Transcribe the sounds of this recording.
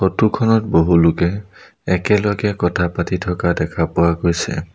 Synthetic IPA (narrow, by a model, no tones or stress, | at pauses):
xotukʰɔnɔtboɦulʊkɛ | ɛkɛlɔɡɛkɔtʰapatitʰɔkadɛkʰapʊwaɡojsɛ̰